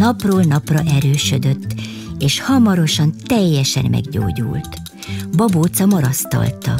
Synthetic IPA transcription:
nɒproːlnɒprɒʔɛɾøːʃød̪ø̞t̪ː | eːʃhɒmɒɾo̞ʃɒnt̪ɛjːɛʃɛ̰nmʔɛ̰ɡɟo̰ːɟṵːlt̪ | bɒboːt̪sɒmɒɾɒst̪ɒ̰lt̪ɒ̰

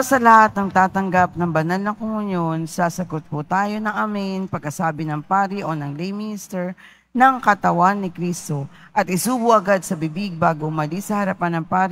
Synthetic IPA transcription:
sɐlɐhat̪̚ːɐŋt̪aːt̪ɐŋɡap̚nɐŋbɐnalnɐŋkʊŋʊɲjo̞nsasɐɡot̪̚pʊt̪aːjo̞nɐŋʔamɪnpɐɡ̚kɐsaːbɪnɐŋpaːɾiʔo̞nɐŋlejmɪnɪst̪ɛɹ | nɐŋkɐt̪ɐwanːɪkɾist̪o̞ | ʔɐt̪̚ʔɪsuːbʊʔɐɡad̪sɐbɪbiɡ̚baːɡoʊmɐlisɐhɐɾɐpanːɐŋpaːɾ

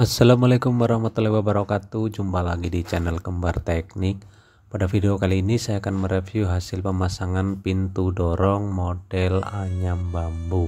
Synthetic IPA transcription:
ʔasːalamalekʊmwaɾahmat̪lahiwabəɾakat̪ud͡ʒumpalaɡidit͡ʃɛnəlkəmbart̪ɛk̚nɪk̚ | padafideokaliːnisajaːkanməɾefjuɦasɪlpəmasaŋanpint̪udɔɾɔŋmod̥ɛlaɲambambu

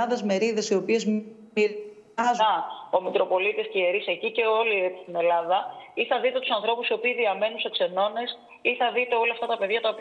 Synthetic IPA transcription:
ɐðɐzme̞ɾiðe̞sio̞pie̞z | i | ɐzɐo̞mikɾo̞po̞lit̪iscieɾisecice̞o̞liet͡s̪i̥st̪ine̞lɐðɐiθɐðit̪e̞t̪usɐnθɾo̞pusio̞piːðiɐme̞nunsekse̞no̞ne̞s | iθɐðit̪e̞o̞lɐft̪ɐt̪ɐpe̞ðʝɐt̪ɐop

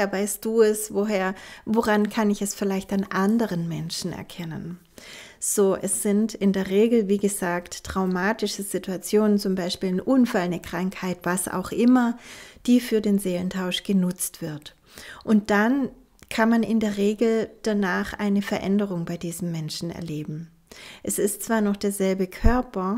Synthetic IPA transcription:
eːɐvaɪst̚d̥uːɛsvoɦeːɐvoʁankʰanɪçɛsfɪlaɪçtanʔandəʁənmɛnʃn̩ʔɛ̰ɐkʰɛnə̰n | z̥oːʔɛsz̥ɪntɪndeːɐʁeːɡl̩viːɡəzaːktːʁ̥aʊmaːtɪʃəz̥ɪtʰuat͡sjoːnənt͡sʊmbaɪʃpiːlnʔʊnfalnəkʁ̥aŋkhaɪtv̥asa̰ʊxʔɪmɐd̥iːfyːɐdeːnzeːləntʰaʊʃɡ̥ənʊt͡stv̥ɪɐt | ʔʊnt̚d̥an | kʰanmanɪndeːɐʁeːɡl̩d̥anaːχʔa̰ɪnəfɛɐʔɛndəʁ̞ʊŋbaɪdiːzm̩mɛnʃn̩ɛ̰ɐleːbm̩ | ʔɛsɪstt͡sv̥aːɐnɔχd̥eːɐzɛlbəkʰœɐpɐ

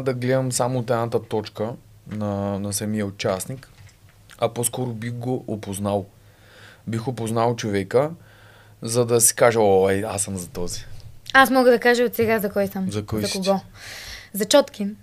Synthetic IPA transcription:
d̪ɐɡlɛd̪ɐmsamʊːt̪ɛnat̪ət̪ɔt͡ʃkə | nɐnɐsɐmijəot͡ʃasnik | ɐpɔskɔɾʊbixɡoʔːpoznalˠ | bixopoznalˠt͡ʃovɛkə | zɐd̪ɐsi̥kaʒɛɔɛjasɐmzɐt̪ɔziasmɔɡəd̪ɐkaʒɐot̪sɛɡazɐkɔjsəmzɐkɔjzɐkoɡɔ | zɐt͡ʃɔt̪ki

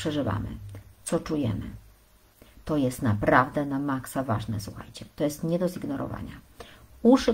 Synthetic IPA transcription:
ʂɛʐɘva̰mɘ̰t̪sɔt͡ʂujɛ̰mɘ̰ | t̪ɔjɛst̪napɾavd̪ɛnamaksava̰ʐnɛsuxa̰jt͡ɕɛt̪ɔjɛst̪ɲɛd̪ɔziɡnɔɾɔ̰va̰ɲa | uʂɘ

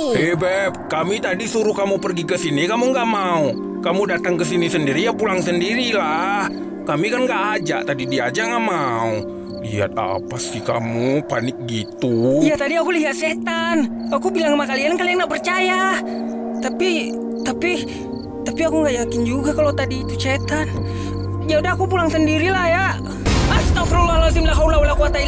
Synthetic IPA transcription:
ɛbɛp̚kamit̪adisuɾukamupərɡikəsinikamuŋɡaʔmau | kamudat̪aŋkəsinisəndiɾijapulaŋsəndiɾilah | kamikanɡaʔaːd͡ʒa̰t̪adidiad͡ʒaŋɡaʔmau | liɦa̰t̪̚a̰pasika̰mupanɪk̚ɡit̪ujat̪adiakuliɦat̪̚sɛt̪anakubilaŋmakaliankalianɡaʔpərt͡ʃaja | t̪api | t̪api | t̪apiakuŋɡaʔjakɪnd͡ʒuɡakalot̪adiːt̪usɛt̪an | d͡ʒaudaakupulaŋsəndiɾilahja | ast̪afɾulalas̬imlaɦaulaulakuat̪ai

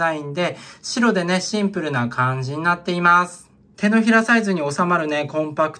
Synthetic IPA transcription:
aĩnd̪e̞ɕiɾo̞d̪e̞ne̞ɕĩmpɯ̟ɾɯ̟nakʰãɲ̟d͡ʑiɲ̟inat̪ːe̞imasɨ̥ | t̪e̞no̞çiɾasaizɨɲ̟io̞samaɾɯ̟ne̞kõ̞mpakɯ̟̥

